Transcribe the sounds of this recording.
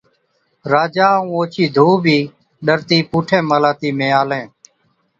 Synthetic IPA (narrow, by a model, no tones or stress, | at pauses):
ɾaːd͡ʒaːũːoːt͡ʃʰiːd̪ʱuːbʱiː | ɗəɾt̪iːpuːʈʰẽːməlaːt̪iːmẽːaːlẽː